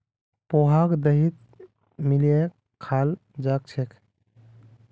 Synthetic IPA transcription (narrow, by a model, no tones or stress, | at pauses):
poɦakd̪əɦit̪̚ | milie | al | d͡ʒak̚t͡ʃʰek